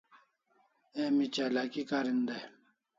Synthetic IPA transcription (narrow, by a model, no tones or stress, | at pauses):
emit͡ɕalakikaɾind̪e